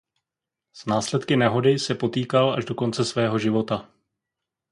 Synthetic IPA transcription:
z̥naːslɛt̪kɪnɛɦo̞dɪsɛpo̞t̪iːkala̰ʒdo̞ko̞nt͡sɛsvɛːɦo̞ʒɪvo̞t̪a

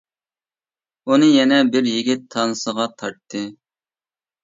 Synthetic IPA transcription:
unɨjɛnɛbɪɾjiɡʲɪt̪ʰːɑnɨsəʁɑt̪ʰɑɾt̪ʰːɨ

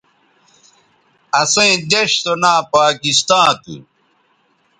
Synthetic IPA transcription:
ɐsẽĩd̪eɕt̪onaːpaːkist̪ãːt̪ṵ

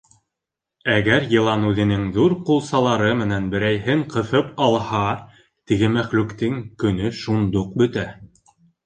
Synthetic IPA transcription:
æɡæɾjɤ̆lˠɑnʉðɘ̆nɘŋðuɾqulˠsɑlˠɑɾɤmɘ̆nænbɘ̆ɾæjɦɘŋqɤ̆fɤpɑlˠhɑ | t̪iɡɘmæχlʉkt̪ɘŋkɵ̆nɵʃund̪uq̚bɵ̆t̪æ

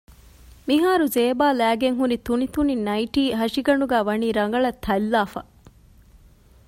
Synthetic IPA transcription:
miɦaːɾuzeːbaːlæːɡeŋɦunit̪unit̪uninɐiʈiːɦɐʂiɡɐɳuɡæːʋɐniːɾɐŋɡɐɭɐt̪ʰːɐlːaːfɐ̰

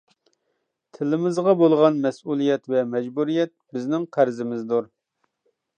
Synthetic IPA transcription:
t̪ʰɪlɪmɪzʁɑbolˠʁɑnmɛsulˠijɛt̪vɛmɛd͡ʒbuɾijɛt̪̚bɪznɪŋqʰæɾzɪmɪzd̪uɾ

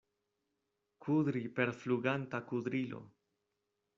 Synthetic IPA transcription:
kʰud̪ɾipe̞ɾfluɡantakud̪ɾilo̞̰

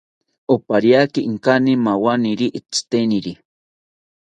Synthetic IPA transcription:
opaɾjakiʔŋkanimawaniɾiʔit͡st̪eniɾi

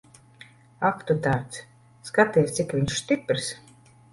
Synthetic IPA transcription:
akt̪ut̪aːɾt̪s | skat̪iɛst̪sʲikviɲʃst̪ʲipʲɾs

